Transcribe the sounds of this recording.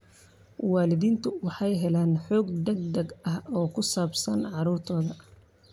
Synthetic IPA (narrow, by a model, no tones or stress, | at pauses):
wɑːlɪðiːnt̪ʰʊwɑħɑjɦɛlaːnħɔːɡd̪ɛɡ̚d̪ɛɡɐhɔːkʰʊsaːbsɐnʕɑɾuːrt̪ʰɔːðɐ